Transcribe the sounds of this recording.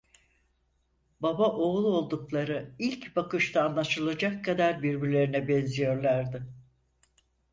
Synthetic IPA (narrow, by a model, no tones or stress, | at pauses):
babaʔo̞ɣlˠuo̞lˠd̪uklˠaɾɯilʲcbakɯʃt̪ʰaːnlˠaʃɯlˠad͡ʒakʰːad̪aɾbiɾbiɾlʲe̞ɾinɛbɛnzijo̞ɾlˠaɾd̪ɪ